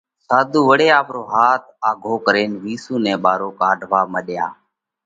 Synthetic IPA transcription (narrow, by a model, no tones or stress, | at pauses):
saːd̪uːʋəɽeːaːpɾoːɦaːt̪̚ʰaːɡʱoːkəɾeːnʋiːsũːnɛ̃ːɓaːɾoːkaːɖʱʋaːməɗja̰ː